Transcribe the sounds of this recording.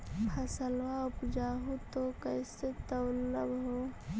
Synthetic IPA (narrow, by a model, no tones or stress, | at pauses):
pʰəsəlwaʊpd͡ʒaːɦut̪okəɪset̪əwləbɦoː